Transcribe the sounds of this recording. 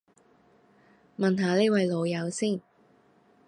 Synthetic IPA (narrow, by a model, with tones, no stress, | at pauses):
mɐ˨nɦaː˨˧le˥wɐ˨˧jlo˨˧wjɐ˨˧wsiː˥˩n